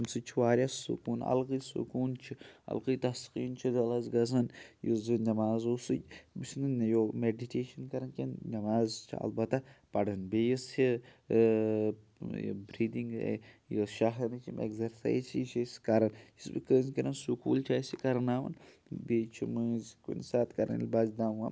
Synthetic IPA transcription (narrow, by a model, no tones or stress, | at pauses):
msɨt͡ʃʰiʋaːɾjasṵkuːnɐ̰lɣɨsṵkuːnt͡ʃʰiɐ̰lqɨt̪ɐsqiːnt͡ʃʰid̪ɐlɐzɡɐzɐnjozɨnɐmaːzusɨ̰bisnɨnjomeɖiʈʰeːʃɐnkɐɾɐnkʲennɐmaːzt͡ʃʰḭɐ̰lbɐt̪ːapɐɽɐnbeːjist͡ʃʰi | bɾiːd̪iŋɡḛjoʃaɦɐnɐt͡ʃʰimḛɡzeɾsa̰jzt͡ʃʰit͡ʃʰiskɐɾɐnjisbɨ̰kəːzkɐɾɐnsukṵːlt͡ʃʰaːsikɐɾɐnaːʋɐ̰n | bet͡ʃʰimɨzikḭnsaːt̪kɐɾɐ̰nlʲbaːzd̪aːmʋa̰m